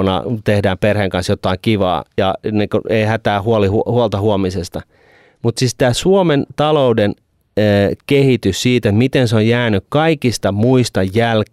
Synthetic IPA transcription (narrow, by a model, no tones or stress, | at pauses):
nɑ̰t̪ehdæːmperheŋkɑnsjot̪ːˑɑiŋkiʋɑ̰ːjɑ̰nikueihæt̪æːhuolihuhuolt̪ɑhuomisest̪ɑ | mut̪sist̪æːsuoment̪ɑloudenː | kehit̪yssiːt̪et̪mit̪enseojjæːnykkɑikist̪ɑmuist̪ɑjjælk